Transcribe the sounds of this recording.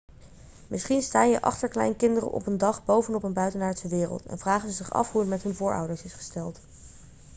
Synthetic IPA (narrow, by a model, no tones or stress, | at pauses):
mɪsχinstaːjəʔɑ̰χtəɹklɛ̰jnkɪndərə̰nʔɔ̰pəndɑχbowvənɔpənbœɥtənaːɹtsəʋɪːrə̰lˠtɛ̰nv̥raːχənəzɪχɑ̰fɦuətmɛtɦɵnvʊːɹʔɑ̰wdəɹsɪsχə̥stɛlˠt